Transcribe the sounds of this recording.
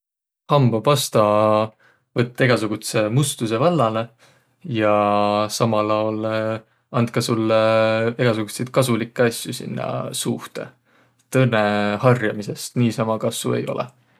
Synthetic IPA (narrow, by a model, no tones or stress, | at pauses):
hɑmbɑpɑst̪ɑ | vɤt̪ːˑeɡ̥ɑsuɡ̥ut̪se̞must̪us̬e̞vɑlːɑle̞ | jɑsɑmɑlɑwl | ɑnd̪̚kɑsulːeɡ̥ɑsuɡ̥usejt̪̚kɑsulikːˑeɑsʲjusḭnːɑ̰suht̪e̞̰ | t̪ɤnːehɑrjɑmise̞st̪niːsɑmɑkɑsvṵe̞̰jo̞̰lḛ